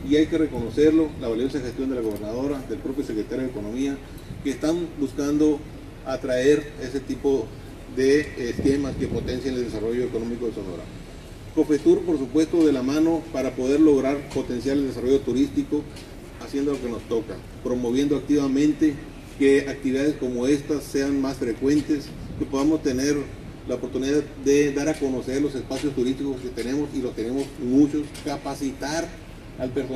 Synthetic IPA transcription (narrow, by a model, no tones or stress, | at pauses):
iajke̞re̞ko̞no̞se̞ɾlo̞laβaljo̞saxe̞st̪jo̞nd̪elaɣo̞β̞e̞ɾnað̞o̞ɾaðe̞lpɾo̞pjo̞se̞kɾet̪aɾjoðeko̞no̞mia | keːst̪ambuskand̪o̞ | at̪ɾae̞ɾe̞se̞t̪ipo̞ | ðe̞ːske̞maske̞po̞t̪e̞nsjaneld̪esaro̞ʝo̞eko̞no̞miko̞ðesono̰ɾa̰ | ko̞fet̪uɾpo̞ɾsupwe̞st̪o̞ðe̞lamano̞paɾapo̞ðe̞ɾlo̞ɣ̞ɾaɾpo̞t̪e̞nsjaleld̪e̞s̬aro̞ʝo̞t̪uɾist̪iko̞ | asje̞nd̪o̞loke̞no̞st̪o̞ka | pɾo̞mo̞β̞je̞nd̪oak̚t̪iβamẽ̞nt̪e̞ | ke̞ak̚t̪iβiðaðe̞sko̞moe̞st̪asːe̞anmasfɾe̞kwe̞nt̪e̞s | kepo̞ðamo̞st̪e̞ne̞ɾ | laopoɾt̪uniðaððe̞ðaɾako̞no̞se̞ɾlo̞se̞spasjo̞st̪uɾist̪iko̞sket̪e̞ne̞mo̞silo̞st̪e̞ne̞mo̞smut͡ʃo̞skapasit̪aɾ | alpeɾso